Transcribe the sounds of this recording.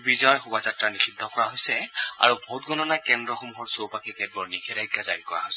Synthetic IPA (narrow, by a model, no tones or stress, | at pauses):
bizɔɔjxubazatɹanisidʱːɔkɔɹaɦojsɛa̰ɹubʱotɡɔnɔnakɛndɹɔxomuxɔɹsowpakikɛt̚bɔɹnikʰɛɾaɡazaɹikɔɹa̰ɦojsɛ